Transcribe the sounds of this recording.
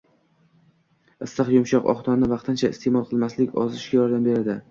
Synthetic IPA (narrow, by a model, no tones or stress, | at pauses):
ɨsːɨqjʊmʃɒqɒ̰χt̪ʰɒnnɪvɑqt̪ʰɪnt͡ʃʰaɪ̰st̪emɒlˠqʰɨlˠmaslɪkʲɒ̰zɪʃɡʲajɒɾd̪ambe̞ɾad̪ɪ